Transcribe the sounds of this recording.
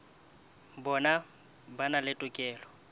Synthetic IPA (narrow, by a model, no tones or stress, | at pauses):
bɔna | banalɪtʼʊkʼɛːlɔ